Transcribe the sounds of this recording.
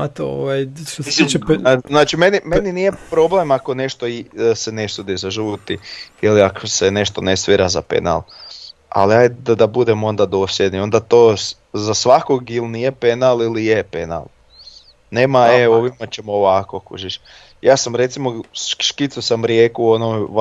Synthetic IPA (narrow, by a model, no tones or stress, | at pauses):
at̪ooʋajmiiaznaːt͡ʃime̞nimeninijepɾo̞ble̞mako̞ne̞ʃt̪osene̞sud̪izaʒuːt̪iiliakosene̞ʃt̪onesʋiɾazapḛna̰lˠ | a̰liajd̪ad̪abud̪e̞mo̞nd̪ad̪o̞ːsljed̪nio̞nd̪at̪oː | zasʋakoɡilnijepe̞nalilijepe̞na̰lˠ | ne̞ːmaeo̞ʋimat͡ɕemoʋakokṵʒiʃ | jaːsamɾe̞t̪simo̞ʃkit̪susamɾjeːkuonom